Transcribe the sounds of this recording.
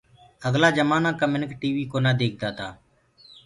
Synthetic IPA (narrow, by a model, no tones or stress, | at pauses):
əɡlaːd͡ʒəmaːnãːkəmɪnɪkʈiːʋiːkoːnaːd̪eːk̚ʰd̪aːt̪aː